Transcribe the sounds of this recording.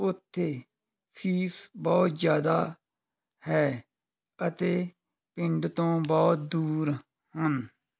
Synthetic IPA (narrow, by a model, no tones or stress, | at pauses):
ʊt̪ʰːeː | pʰiːsbɔːt̪d͡ʒjaːd̪aː | hɛː | ət̪eː | pɪ̃ɳɖt̪õːbɔːt̪̚d̪uːɾ | hən